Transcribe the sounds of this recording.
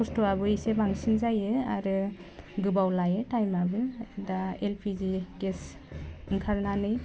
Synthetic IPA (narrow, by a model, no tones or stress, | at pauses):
pɔstoaβɯisebaŋsinzajɯa̰ɾɯ | ɡɯbawlajɯtajmabɯdaelpʰiziɡes | ɯŋkʰaɾnanɯj